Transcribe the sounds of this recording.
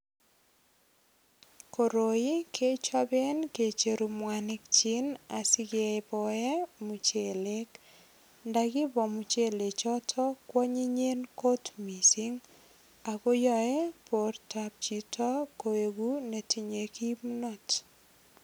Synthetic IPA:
ko˨ɾo˨i˦kʰe˦t͡ʃɔ˦be˦nke˨t͡ʃe˨ɾu˨mwa˨nɪ˦k̚t͡ʃɪ˦na˨sɪ˦ɡe˨bɔ˨ɛ˦mu˨t͡ʃe˨le˦k | ndaɡɪ˦bɔ˨mu˨t͡ʃe˦le˨t͡ʃɔ˦tʰɔ˦kwɔ˦ɲi˦ɲe˦nko˦tmi˨si˦ŋ | a˨ko˦jɔɛ˦po˨rtap̚t͡ʃitʰɔ˦ko˨e˨ɡu˦ne˨ti˦ɲe˨ki˦mu˦nɔ˦t

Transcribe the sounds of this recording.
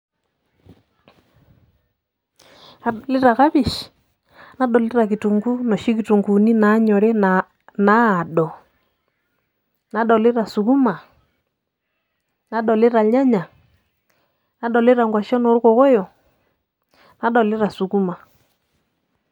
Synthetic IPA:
a˨lɪ˦ɾa˨ka˦βi˨ʃ | na˦ɗɔ˨lɪ˦ɾa˨ki˨tu˨ŋɡu˦nɔ˨ʃi˦ki˨tu˨ŋɡu˨ni˦na˨˦ɲɔ˨ɾɛ˦ | naː˦˨ɗɔ˨ | na˨˦ɗɔ˨lɪ˦ɾa˨su˨ku˦ma˨ | na˨˦ɗɔ˨lɪ˦ɾa˨ɲa˦ɲa˨ | na˨˦ɗɔ˨lɪ˦ɾa˨ŋɡwa˨ʃɔ˦nɔ˨˦ɾu˦kɔ˨ɣɔ˦jɔ˨ | na˨˦ɗɔ˨lɪ˦ɾa˨su˨ku˦ma˨

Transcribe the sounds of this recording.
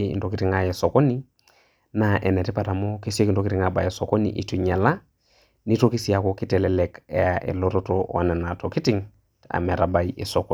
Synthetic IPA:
ḭ˨nto˨ki˦ti˦ŋa˦je˨so˨ko˦ni˦ | naʔe˨ne˨ti˦pa˨ta˨mo˦ke˦si˦e˦kinto˦ki˦ti˦ŋaba˨je˨soko˦nḭ˨ʔḭ˨ti˨ɲa˨la˦ | ni˦to˦ki˦si˨a˨koki˦tɛ˨lɛ˦lɛkeaʔḛ˨lototo̰˦a̰˨ne˨na˨to˨ki˦ti˦ŋ | a̰˨me˨ɾaba˨jʔe˨so˨ko

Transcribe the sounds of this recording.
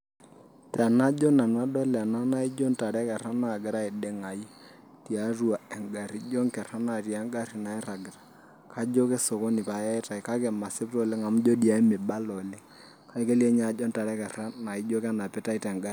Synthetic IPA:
ta˨na˦d͡ʒɔ˦na˨nwa˦dɔ˦la˨na˦na˦i˦d͡ʒɔ˦nta˨ɾɛ˦kɛ˨ra˦na˨ɡɪ˨˦ɾa˦ɪ˨de˦ŋa˨i˦ | ti˨a˨˦ru˦a˨ɛ˨ŋɡa˨ɾi˦d͡ʒɔ˦ŋkɛ˨ɾa˦na˨rja˨˦ŋɡa˦ɾi˨na˨ɪ˦ɾa˨ɡɪ˨ɾḁ˨ | ka˦d͡ʒo˦ke˦so˨ko˦nɪ˨pa˨ja˦ɪ˦ta˨i˨ka˦kɛ˨ma˨sɪ˦ptɔ˨le˦ŋa˨m˦d͡ʒo˦di˨a˨˦i˦mɪ˨ba˦lɔ˨le˦ | ka˦i˦ke˦li˦ɛ˦ɲa˨d͡ʒɔ˦nta˨ɾɛ˦kɛ˨ra˦na˨i˦d͡ʒo˦ka˦na˨pɪ˦ta˦i˦tɛ˨ŋɡa˦ri˨˦

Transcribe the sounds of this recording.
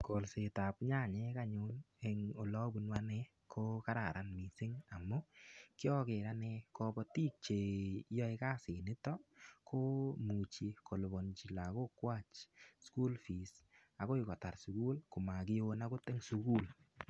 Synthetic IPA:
ko˨lse˨ta˨pɲa˦˨ɲɛ˦ka˦ɲʊ˦n | ɛ˨ŋo˨lɔ˦bu˦nwa˦nɛ | kʰo˦ka˦ɾa˨ɾa˦nmi˨sɪ˦ŋa˨mʊ˦kɪ˦ɔ˦ke˨ɾa˦nɛ˧kɔ˧bɔ˦ti˦k̚t͡ʃe˨jɔ˦i˦ka˦sɪ˨nɪ˦tɔ˦kʰo˦mu˨t͡ʃi˨ko˨lbɔ˨nt͡ʃi˨la˨ko˦kwa˦t͡ʃsku˦lfi˨s | a˨ɡo˦ɪ˨kɔ˨ta˨ɾsu˨ku˦lkʊ˨ma˨kɪ˦jo˦na˦kʊ˦tɛ˦ŋsu˨ku˦l

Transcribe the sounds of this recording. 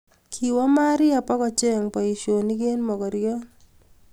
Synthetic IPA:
kʰi˨wa˦ma˦ɾɪ˦a˨pɔ˦kɔ˨t͡ʃe˦˨ŋpa˨i˨ʃo˨ni˦ɡe˦nmɔ˨kɔ˨ɾɪjɔ˦

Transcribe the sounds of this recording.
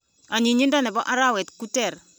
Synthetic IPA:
a˨ɲi˨ɲi˦nda˦nɛ˨bɔ˦ʔa˦ɾa˦wɛ˨tku˦tɛ˨ɾ

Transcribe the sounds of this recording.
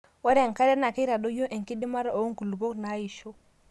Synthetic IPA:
wa˦ɾɛ˦˨ŋ˨ka˦ɾɛ˦na˨kɛ˦ɾa˨ɗɔ˦jɔ˦ʔɛ˨ŋki˦ɗi˦ma˦ɾa˦ɔ˨˦ŋku˨lu˨bɔ˦kna˨˦i˨ʃɔ˦

